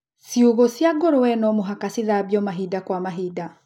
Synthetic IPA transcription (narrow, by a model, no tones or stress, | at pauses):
siuɣosjaɡoɾowɛnɔmoɦakasiðaβjɔmaɦidakwamaɦida